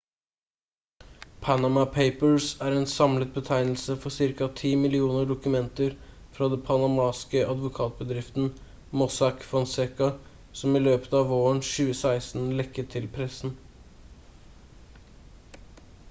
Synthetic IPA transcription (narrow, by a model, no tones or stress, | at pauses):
pʰænɑmɑpʰeɪpəɹsæːɾeːnsɑmlət̪̚bət̪ʰæɪnl̩səfɔsɪɾkɑt̪ʰiːmɪlɪuːnəɖʊkʉmɛnt̪əɾ | fɾɑd̪ɛpʰɑnɑmɑːskəʔɑd̪ʋʊkʰɑːt̪̚bəd̪ɾɪft̪n̩ | mɔsɑkfɔnsɛkɑ | sɔmɪløːpə̥t̪ɑːʋoːəɳʃʉːəsæɪsn̩lɛkːət̪ʰɪlpʰɾɛsn̩